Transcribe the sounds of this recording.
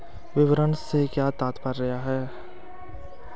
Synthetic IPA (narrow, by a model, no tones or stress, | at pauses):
ʋɪʋəɾənsekjaːt̪aːt̪pəɾːɐɦaɦɛː